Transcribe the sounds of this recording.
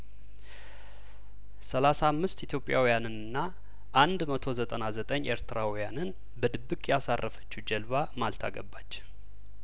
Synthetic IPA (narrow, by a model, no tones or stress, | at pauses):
səlasaːmːɨst̪it̪ʰjo̞pʼːja̰wijanɨnɨnːa | ʔand̪mət̪ʰo̞zət̪ʼənazət̪ʼəɲːʔeɾt̪ʰɨɾawijanɨn | bəd̪ɨbːɨkʼjasarːəfə̥t͡ʃːud͡ʒɛlβamalt̪ʰa̰ɡə̰bːat͡ʃː